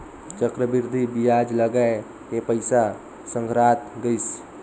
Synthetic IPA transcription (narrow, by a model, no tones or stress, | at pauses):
t͡ʃəkɾəbiɾd̪ʱibijad͡ʒləɡae | kepəjsa | səŋɡɾat̪ɡəjs